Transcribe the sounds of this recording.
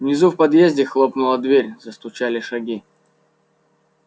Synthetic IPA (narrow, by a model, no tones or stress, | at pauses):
vnʲɪzufpɐd̪jezʲdʲɪxlˠopnʊlˠəd̪vʲeɾʲzəst̪ʊt͡ɕalʲɪʂɐɡʲi